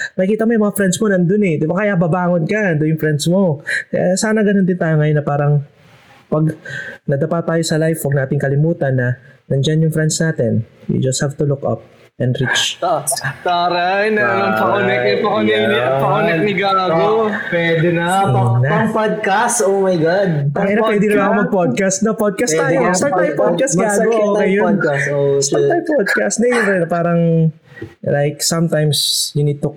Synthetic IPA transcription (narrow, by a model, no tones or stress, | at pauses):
mɐkjkiːt̪ɐmojʊ̃mɐŋafɾɛnd̪smonɐnd̪onɛd̪ɪbakɐjabɐbaːŋonkɐɐnd̪ojʊŋfɾɛnd̪smo̞kɐ̰jasaːnɐɡɐno̞nd̪ɪnt̪aːjoŋɐjonːɐpaːɾɐŋ | pɐɡnɐd̪ɐpat̪ːaːjosɐlajfwɐɡ̚naːt̪ɪŋkɐlɪmuːt̪ɐnːɐnɐnd͡ʒanjʊŋfɾɛnd̪snaːt̪ɛnjṵd͡ʒɐst̪havt̪ulukʔa̰p̚ | ʔɛnd̪ɾit͡ʃ | t̪aːɾajnɛɐlɐmpɐkonɛkɛpɐkonɛk̪ɐkʊnɛnɪɡaːɡopwɛd̪ɛnɐnɐpod̪̚kasomajɡad̪̚aɐnɐpwɛd̪ɪnɐlaɐkomɐɡ̚pod̪̚kɐst̪̚nopod̪̚kɐst̪aːjosɐmt̪ajpod̪kast̪ɐokɐjjonkssɐmt̪ajmpod̪̚kast̪̚nɐjʊnɛnɐpaːɾɐŋ | lajk̚sɐ̃mt̪ãjmsjʊnid̪̚t̪ʊ